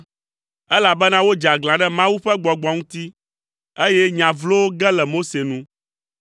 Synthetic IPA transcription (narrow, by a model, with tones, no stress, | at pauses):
ɛ˦la˨bɛ˦nã˦wo˦d͡ʒa˨ɡlã˨ɖɛ˦mã˦wu˦ɸɛ˦ɡ͡bɔ˨ɡ͡bɔ˨ŋũ˦t̪i˦ | e˦jɛ˦ɲã˨vlo˦wo˦ɡɛ˦lɛ˨mo˦se˨nũ˦